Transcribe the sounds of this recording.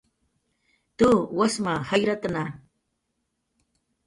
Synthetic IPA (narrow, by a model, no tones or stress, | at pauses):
t̪uwasmahajɾat̪na